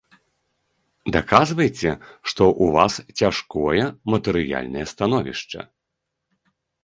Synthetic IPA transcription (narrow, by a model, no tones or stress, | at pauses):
d̪akazvɐjet͡sʲɛʂt̪ɔʔuvast͡sʲaʂkɔjɛmɐt̪ɨɾɨja̰lʲnɐjɛst̪anɔvʲḭʂt͡ʂɐ̰